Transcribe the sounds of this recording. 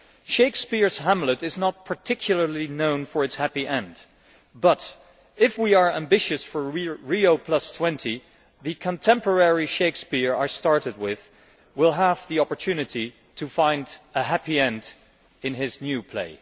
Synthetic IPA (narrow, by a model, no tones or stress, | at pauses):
ʃeɪkspɪɹz̥ɦæ̃mləɾɨznət̚pʰə˞tʰɪkʰjl̩ˠə˞linõʊ̃nfə˞ɨtshæpiʔɛ̃nd | b̥ʌɾ | ɪfwiə˞æ̃mbɪʃɨsfə˞ɹioʊpʰl̥ʌstʰw̥ɛ̃ntʰi | ðɨkʰə̃ntʰɛ̃mpə˞ɛɹiʃeɪkspɪɹə˞stɑɹɾɨd̚wɪð̥ | wɪlˠɦəvðiɑpə˞tʰʉnɨɾi | ɾʰɨfãɪ̃ndəɦæpiɛ̃nd | ɨ̃nɪznjʉpʰl̥ḛɪ